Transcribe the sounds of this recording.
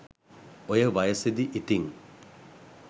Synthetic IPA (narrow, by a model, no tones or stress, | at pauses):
ojɐʋɐjɐsed̪iʔit̪iŋ